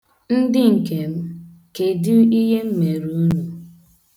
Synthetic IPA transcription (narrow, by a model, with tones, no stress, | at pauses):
n̩˦dɪ˦ŋ̩˨ke˨m̩˦ | ke˨du˦i˦ɦe˦m̩˦me˨ɾu˦nu˨